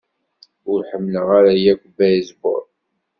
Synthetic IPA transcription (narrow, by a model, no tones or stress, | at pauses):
ʊɾħəmːləʁaɾajækʷbæjzbo̰ɾˤ